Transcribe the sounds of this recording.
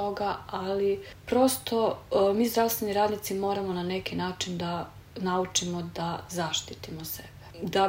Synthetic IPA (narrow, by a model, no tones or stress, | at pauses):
oɡaali | pɾo̞st̪o̞miːzd̪ɾaʋst̪ʋeniɾaːd̪nit̪simo̞ːɾamonane̞kinaːt͡ʃind̪a | naut͡ʃimo̞d̪azaʃt̪it̪imosebe̥d̪a